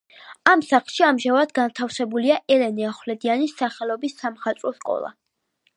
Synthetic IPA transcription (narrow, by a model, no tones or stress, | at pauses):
amsaχlˠʃiamʒavad̪ɡant̪ʰafsɛbuliaʔɛlɛnɛaχwlɛd̪ianisːaχɛlˠɔbisːamχat̪sʼɾɔskʼɔ̰lˠa̰